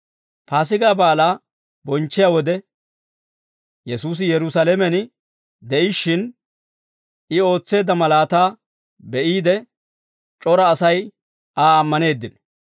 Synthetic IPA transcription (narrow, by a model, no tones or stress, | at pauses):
paːs̬ɪɡaːbaːlaː | bɔnt͡ʃːɪjaːwɔd̪ɛ | jɛsuːs̬ɪjɛɾʊsalɛmɛn | d̪ɛʔɪʃːɪn | ɪo̞ːt͡sːe̞ːd̪ːɐmɐlaːt̪aː | bɛʔiːd̪ɛ | t͡ʃʼɔɾɐːsɐj | aːɐmːɐne̞ːd̪ːɪn